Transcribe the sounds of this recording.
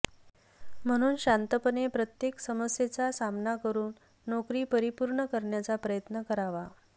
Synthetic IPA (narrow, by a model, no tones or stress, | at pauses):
m̤əɽ̃uːnɕant̪əpənepɾət̪jeksəməsjet͡sasamnakəɾuːnː | okɾiːpəɾipuːɾɳəkəɾɳjat͡sapɾəjət̪nəkəɾaʋa